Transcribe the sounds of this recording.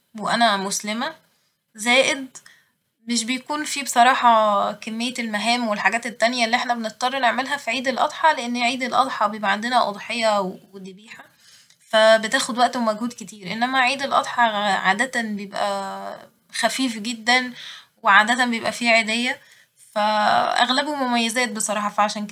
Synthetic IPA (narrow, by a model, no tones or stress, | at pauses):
weʔænæmoslemæ | zæːʔed̪̚ | meʃ̬bejækuːnfibe̥sˤɑɾˤɑːħɑkemːejːelmæɦæːmwelħaɡæːt̪et̪ːænjælːiʔeħnæbenett̪ˤːɑrˤːɑneʕmælɦæfiʕiːd̪elʔɑ̰d̪ˤħɑleʔenːeʕiːd̪elʔɑ̰d̪ˤħɑbejebʔʕand̪enæʔɑ̰d̪ˤħejːɑwwed̪ebiːħæ | fæbet̪æːxod̪wæʔt̪omæɡhuːd̪ket̪iːɾʔḛnːæmæʕiːd̪elʔɑ̰d̪ˤħɑʕa̰ːd̪æt̪æbejebʔæ̰ | xæfiːfɡed̪ːænweʕaːd̪æt̪æmbejebʔæfiʕed̪æjːæ | fæʔæ̰ɣlæbomomæjːæzæːt̪̚besˤɑɾˤɑːħɑfæʕaʃæːnk